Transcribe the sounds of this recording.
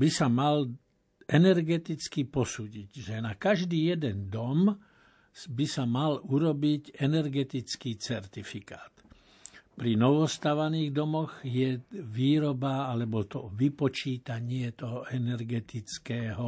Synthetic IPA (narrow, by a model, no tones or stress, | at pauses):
bisamal | ʔɛnɛɾɡɛt̪it͡skipɔsuːɟiɟʒɛnakaʒd̪iːjɛd̪ɛnd̪ɔm | bisamaluɾɔbicɛnɛɾɡɛt̪it͡skiːt͡sɛɾt̪ifikaːt̪ | pɾinɔʋɔst̪aʋaniːɣd̪ɔmɔɣjɛʋiːɾɔbaalɛbɔt̪ɔʋipɔt͡ʃiːt̪aɲɪɛt̪ɔɦɔɛnɛɾɡɛt̪it͡skɛːɦɔ